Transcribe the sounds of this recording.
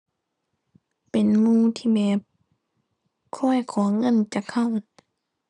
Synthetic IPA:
pe˨nmuː˧˥˨t̪ʰiː˧˨bɛː˧˩p̚ | kʰɔ˧˥˨jkʰɔː˩˦ŋɤ˧˥˨nt͡ɕa˧kʰa˧˩˨w

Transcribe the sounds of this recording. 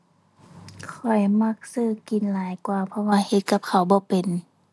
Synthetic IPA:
kʰɔ˨˩jma˧k̚sɯː˧˩ki˨˩˦nlaː˨˦jkwaː˧˩pʰɔ˧waː˧he˧t̪̚ka˧˥p̚kʰa˨˩wbɔː˧˦pe˨n

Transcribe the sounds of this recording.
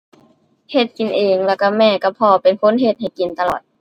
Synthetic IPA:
he˧˩t̪̚ki˨nʔeː˨˩ŋlɛː˧˩wka˧˩mɛː˧˩ka˧˩pʰɔː˧pe˨nkʰo˧˥˨nɦe˧˥t̪̚ha˨˩jki˨nt̪a˧lɔː˨˩t̪̚

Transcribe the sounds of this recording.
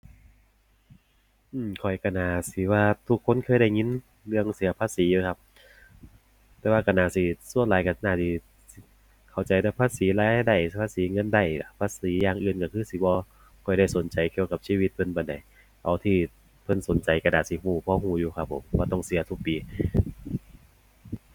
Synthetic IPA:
ʔɯː˧˩mkʰɔ˨˩jka˧˩naː˨˧˩si˨˦waː˧t̪ʰu˧kʰːo˧˥˨nkʰɤː˧˥˨da˧˩jŋi˧˥n | lɯ˧əŋsi˨˦ɐpʰaː˧˨siː˨˦juː˧˩kʰa˧p̚ | t̪ɛː˧waː˧ka˧˩naː˨˩siː˧˩su˧˨ənlaː˨˦jka˧˩˧naː˧˩siː˧˩ | si˧˩ | kʰa˨˩wt͡ɕa˨jda˧˩pʰaː˧˥˨siː˨˦laː˧˥jta˧˩jda˧˩jpʰaː˧˥siː˨˦ŋɤ˧˥˨nda˧˩jla˧˩pʰaː˧˥˨siː˨˦jaː˧ŋʔɯː˨˧nka˧˩kʰɯː˧˩siː˨˦bɔː˧ | kʰɔ˨˩jda˧˩jso˨˦nt͡ɕa˨jkʰi˧˨wka˧˦p̚siː˧wi˧t̪̚pʰɤ˧˥npa˧˩nda˨˩j | ʔa˨˩wt̪ʰiː˧˩ | pʰɤ˧˨nso˨˦nt͡ɕa˨˦jka˧naː˨˩si˧˦huː˧˩pʰɔː˧˦huː˧˩juː˧kʰa˧pʰːo̰˨˦mwaː˧t̪ɔ˧˩ŋsi˨˦ɐt̪ʰu˧˩k̚piː˨˦

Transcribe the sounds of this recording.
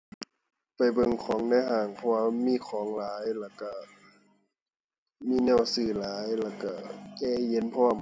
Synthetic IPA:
pa˨˩jbɤ˧˨ŋkʰɔː˩˦ŋnaː˧˥˨ɦaː˧˩ŋpʰɔ˧waː˧miː˧˥˨kʰɔː˨˦ŋlaː˨˦jlɛː˧˩wka˧˩ | miː˧˥˨nɛː˧˩˨wsɯː˧˩laː˨˦jlɛː˧˩ka˧˩kɛː˧˩je˧˦˨npʰɔː˧˩˨m

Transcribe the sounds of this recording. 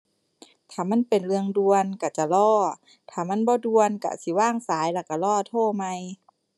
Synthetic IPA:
t̪ʰaː˧˩ma˧˥˨npe˨nlɯ˧əŋdu˧ənka˧˩t͡ɕa˧˩lɔː˧˩ | t̪ʰaː˧˩ma˧˥˨nbɔː˧˦du˧ənka̰˧˩si˧˦waː˧˥˩ŋsaː˨˦jlaː˧˩ka˧˩lɔː˧˩˨t̪ʰoː˧˩˨ma˧j

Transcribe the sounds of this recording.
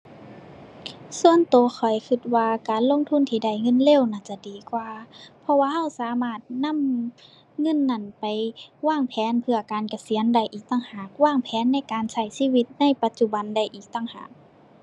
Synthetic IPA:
su˧˨ənt̪oː˨˧xʰɔ˨˩jkʰɯ˧˩t̪̚waː˧kaː˨nlo˧˥˨ŋt̪ʰu˧˥˨nt̪ʰiː˧˩da˧˩jŋɤ˧˥˨nle˧˨wnaː˧˩t͡ɕa˧˩diː˨kwaː˧pʰɔ˧waː˧ha˧˥˩wsaː˨˦maː˧˩t̪̚na˧˥˨m | ŋɤ˧˥˨nːa˧˩˨npa˨jwaː˧˥˩ŋpʰɛː˨˧˦npʰɯ˧ɐkaː˨nka˧˩si˨˧˦ə˦nda˧˩jʔiː˨˩k̚t̪aː˧˨ŋhaː˨˩k̚waː˧˥˨ŋpʰɛː˨˦nːa˧˥˨jkaː˨nsa˧˩jsiː˧˨wi˧t̪̚na˧˩˨jpa˧˦t̪̚t͡ɕu˧˩ba˨nda˧˩jʔiː˨˩k̚t̪a˧˩˨ŋha̰ː˨˩k̚

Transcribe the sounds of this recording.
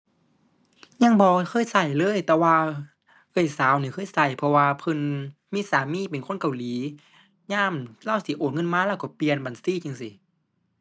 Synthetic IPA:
ɲa˧˥˨ŋbɔː˧kʰɤː˧˥˨jsa˧˩jlɤː˧˥˨jt̪ɛː˧waː˧ | ʔɤː˧˩˨jsaː˨˦wniː˧˩kʰɤː˧˥˨jsa˧˩jpʰɔ˧waː˧pʰɤ˧˥˨nmiː˧˥˨saː˨˦miː˧˥˨pe˨nkʰo˧˥˨ka˨wliː˨˦ | ɲaː˧˥˨mla˧˥˨wsi˨˦ʔoː˨˩nŋɤ˧˥˨nmaː˧˥˨laː˧˩kɔ˧˩pli˨ənba˨nsiː˧˥˨t͡ɕi˧˩ŋsi˧˦

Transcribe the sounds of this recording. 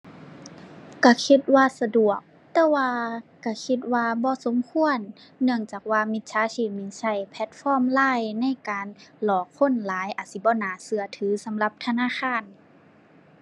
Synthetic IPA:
ka˧˩kʰi˧t̪̚waː˧sa˧du˨˩ək̚ | t̪ɛː˧waː˧ka˧˩kʰi˧t̪̚waː˧bɔː˧˦so˨˦mkʰu˧˨ənːɯ˧əŋt͡ɕaː˨˩k̚waː˧˨mi˧˦t̪̚sʰaː˨˧˥siː˧˩miː˧˩sa˧˩jpʰɛ˧˦t̪̚fɔː˧˨mlaː˧˥˨jna˧˥˨jkaː˨nlɔː˨˩kʰːo˧˥˨nlaː˨˦jʔa˨t̪̚si˧˦bɔː˧˨naː˨˦sɯ˧˩ɐt̪ʰɯː˨˦sa˨˦mla˧p̚t̪ʰa˧naː˧˥˨xʰaː˧˥˨n

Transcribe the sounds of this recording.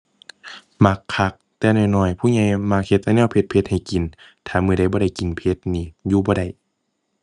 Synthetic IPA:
ma˧kʰːa˧˦k̚t̪ɛː˧nɔː˧˩jnɔː˧˩jpʰuː˧˥˨ɲa˧˩jma˧˥k̚he˧t̪̚ʔa˧˨nɛː˧˨wpʰe˧t̪̚pʰe˧t̪̚ha˨˩jki˨n | t̪ʰaː˧˨mɯ˧˨ɾa˧˩jbɔː˧˦ɾa˧˩jki˨npʰe˧˦t̪̚niː˧˩juː˧bɔː˧˦ɾa˧˩j

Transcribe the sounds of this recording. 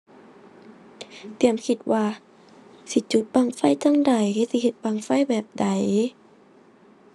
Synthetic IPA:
t̪i˨˩əmkʰi˧t̪̚waː˧ | si˧˦t͡ɕu˧˦t̪̚ba˧˨ŋfa˧˥˨jt̪ɔ˧˥˨ŋda˨˩jkʰa˧˩˨si˧˦he˧˦t̪̚ba˧˨ŋfa˧˥˨jbɛː˨˩p̚da˨˦j

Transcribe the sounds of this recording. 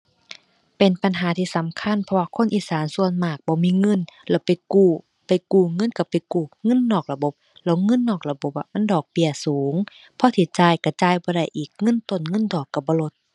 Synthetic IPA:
pe˨˩npa˨nɦaː˨˦t̪ʰiː˧˨sa˨˦mkʰa˧˥˨npʰɔ˧waː˧kʰo˧˥˨nʔiː˨saː˨˦nsu˧˨ənmaː˧˩k̚bɔː˧˦miː˧˥˨ŋɤ˧˥˨nlɛː˧˩wpa˨jkuː˧˩ | pa˨jkuː˧˩ŋɤ˧˥˨nka˧˩pa˨jkuː˧˩ŋɤ˧˥˨nːɔː˨˩k̚la˧bo˧˦p̚lɛː˧˩wŋɤ˧˥˨nːɔː˧˨˩k̚la˧bo˧˦p̚ʔa̰˧ma˧˥˨ndɔː˨˩k̚pi˧˩əsuː˨˦ŋ | pʰɔ˧˥˦t̪ʰiː˧˩t͡ɕaː˧˩jka˧˩t͡ɕaː˧˨jbɔː˧ɾa˧˩˨jʔiː˨˩k̚ŋɤ˧˥˨nt̪o˧˨nŋɤ˧˥˨ndɔː˨˩kːa˧˩bɔː˧˦lo˧˦t̪̚

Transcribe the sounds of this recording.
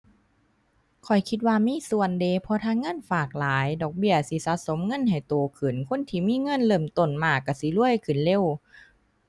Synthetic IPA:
kʰɔ˨˩jkʰi˧˥t̪̚waː˧miː˧˥˨su˨˩əndeː˧˩pʰɔ˧˥t̪ʰaː˧˥˨ŋːɤ˧˥˨nfaː˨˩k̚laː˨˦jdɔː˨˩k̚bi˧˩əsi˧˦saː˧˦so˨˦mŋɤ˧˥˨nha˨˩jt̪oː˨˩kʰɯ˨˩nkʰo˧˥˨nt̪ʰiː˧˩miː˧˥˨ŋɤ˧˥˨nlɤː˧˩mt̪o˨˩nmaː˧˩kːa˧˩si˧˦lu˧˥˩əjkʰɯ˨˩nle˧˨w

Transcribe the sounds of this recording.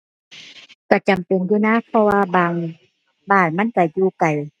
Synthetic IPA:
ka˧˩t͡ɕa˨mpe˨njuː˧naː˧˥˨pʰɔ˧waː˧baː˧˩ŋ | baː˧˩nma˧˥˨nka˧˩juː˧ka˨˩j

